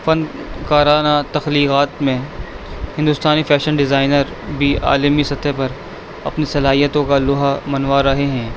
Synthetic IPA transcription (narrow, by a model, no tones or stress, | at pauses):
fɐ̃n | kaːɾaːnat̪ɐxliːkaːt̪mẽ | hɪ̃nd̪ʊst̪aːnifɛːʃənɖɪzaːɪnəɾ | bʱia̰ːləmisɐt̪ʰepɐɾ | ɐ̰pnisɐlaːɦijət̪õkalʊɦamɐnʋaːɾɐɦeɦɛ̃ː